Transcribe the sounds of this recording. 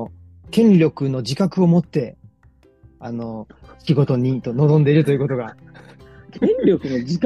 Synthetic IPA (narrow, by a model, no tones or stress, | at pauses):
kẽ̞ɲɾʲo̞kɯ̟no̞d͡ʑikakɯ̟o̞mo̞t̪ːe̞ | ano̞ɕiɡo̞t̪o̞ɲ̟it̪ono̞zõ̞nd̪e̞iɾɯ̟t̪o̞jiɯ̟ko̞t̪o̞ɡa | kʰẽnɾʲo̞kɯ̟no̞d͡ʑik